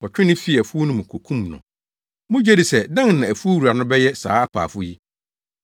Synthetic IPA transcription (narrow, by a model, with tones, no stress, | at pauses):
ɔ˨t͡ɕᶣɪ˦nɪ̃˦fi˦æ˨fu˦o˦nʊ̃˦mʊ̃˨kʰo˨kʰũ˦mnʊ̰̃˨ | mʊ̃˦d͡ʑɛ˦di˨sɛ˨dã˦ŋnã˨æ˨fu˦o˦wu˨ɾa˨nʊ̃˦bɛ˦jɛ˦sa̰ː˨˦a˦pʰa̰ː˨fʊ˦ji˦